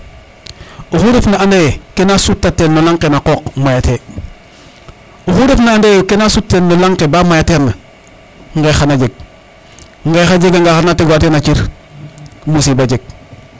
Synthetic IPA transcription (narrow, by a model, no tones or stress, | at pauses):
oxuɾefnaandejkenasutːatːenːolaŋqenaqoːkmajate | oxudefnaandejukenasutːenːolaŋqebamajateɾna | ŋɡexanad͡ʒeɡ̚ | ŋɡexad͡ʒeɡaŋɡaxanateɡoatenat͡ʃiɾ | musibad͡ʒeɡ̚